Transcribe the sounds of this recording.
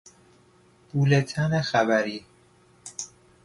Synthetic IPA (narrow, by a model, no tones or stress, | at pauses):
b̥uːlet̪ʰænexæbæɾiː